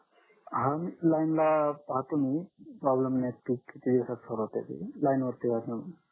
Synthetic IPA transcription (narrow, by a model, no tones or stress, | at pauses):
ɦanlajnlapaɦat̪unipɾɔblemneikːit̪id̪iwsat̪sʰəɾɦot̪ḛt̪ḭlajnʋəɾt̪iɡʱasən